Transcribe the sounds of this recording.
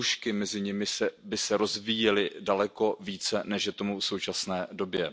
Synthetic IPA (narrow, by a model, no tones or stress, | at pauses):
uʃkɪmɛzɪɲɪmɪsɛbɪsɛɾo̞zviːjɛlɪdalɛko̞viːt͡sɛnɛʃjɛt̪o̞mufso̞wt͡ʃasnɛːdo̞bjɛ